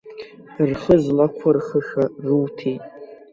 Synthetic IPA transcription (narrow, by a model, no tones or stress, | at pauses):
rχəzlakʷʰarχəʂaruwtʰejtʼ